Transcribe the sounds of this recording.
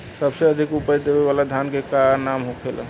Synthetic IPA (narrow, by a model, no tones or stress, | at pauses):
səbseəd̪ʱikupəjd̪ebeβalad̪ʱjankekaɾnamɦokʰelə̰